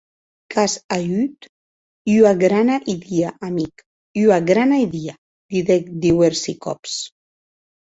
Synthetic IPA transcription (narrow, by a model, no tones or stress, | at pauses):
kʰasayt̪ | yaɡɾanaʔiðiaʔamik | yaɡɾanajðia | d̪iðɛk̚d̪iwɛɾsikɔ̰ps